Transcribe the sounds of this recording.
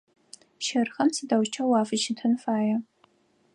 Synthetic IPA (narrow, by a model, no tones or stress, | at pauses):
ʃɐrxɐmsidɐwt͡ʃʰɐwaːfɨt͡ʃntʰɨnfaːjɐ